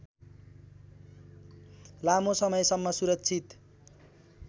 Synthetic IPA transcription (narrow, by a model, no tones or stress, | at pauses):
lamosʌmʌjsʌmːʌsuɾʌkt͡sʰit̪